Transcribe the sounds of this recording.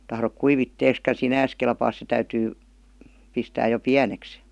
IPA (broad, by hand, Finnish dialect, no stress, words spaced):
tɑhrok kuiʋitːeːskɑ sinæːs kelpɑːs se tæytyː pistæːj jo piæneks